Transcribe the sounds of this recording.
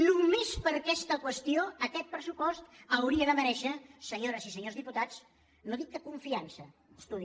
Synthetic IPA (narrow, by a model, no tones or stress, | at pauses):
numespəɾkɛst̪əkwəst̪ioəkɛt̪̚pɾəsupɔst̪əwɾiəðəməɾɛʃəsəɲoɾəzisəɲozðiput̪at͡s | noðik̪̚d̪əkuɱfiansəəst̪uð